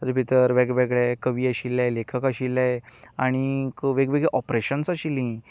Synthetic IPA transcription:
əd͡zəpit̪əɾʋɛɡʋɛɡɭjakəʋiːaɕilːajlekʰəkaɕilːajaɽ̃ikʋeɡʋeɡɭeʔɔpɾeɕənsaɕilĩ

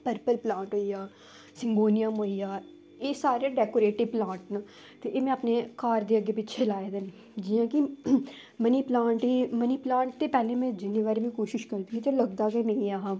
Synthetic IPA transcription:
pəɾpəlplãːɳʈɦoːijaː | sɪ̃ŋɡoːnijaːmoːijaː | eːsaːɾeɖɛːkoːɾeːʈɪʋplãːɳʈnaː | t̪eʔemɛ̃ɐpnekaːɾd̪eɐɡepɪːʃʰelaːed̪en | d͡ʒɪjãːki | məniplãːɳʈiməniplãːɳʈt̪epɛːlẽmɛ̃d͡ʒɪniʋaːɾemĩkoːʃɪʃkɐɾd̪iit̪elɐɡd̪aːɡɐinɐ̃ĩaɦa

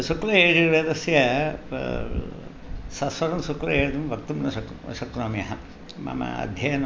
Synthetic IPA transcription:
sukɾɐeːd͡ʒiʋeːd̪ɐsjɐ | sɐsʋɐɾɐmsukɾɐɦeːd̪umʋɐkt̪umnɐsɐksɐkɾoːmjɐɦɐ | mɐ̰mɐ̰ɐ̰d̪ʱjɐjɐn

